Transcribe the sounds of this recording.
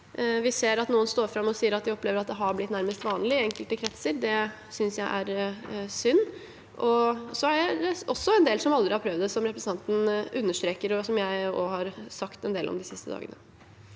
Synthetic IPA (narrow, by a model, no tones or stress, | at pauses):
ʋɪseːɾɑt̪nuːənst̪oːɾfɾɑmːɔsiːəɾɑt̪̚d̪ɪɔpleːʋəɾɑt̪d̪ɛɦɑɾblɪt̪næɾməst̪ʋɑːnlɪɛŋkəlt̪əkʰɾɛt̪səɾd̪ɛ | sʏnsjæɪʔæɾsʏnː | ʔɔsɔæɖɛɛɔsːɔɛnd̪eːlsɔmɑld̪ɾɪhɑɾpʰɾœʋd̪əsɔmɾɛpɾsn̩ɑnt̪n̩ʉnːəʂʈ̪ɾeːkəɾɔsɔmjæɪɔhɑɾsɑkt̪ɛnd̪eːlɔ̰md̪ɪsɪst̪əd̪ɑ̰ːɡə̰nə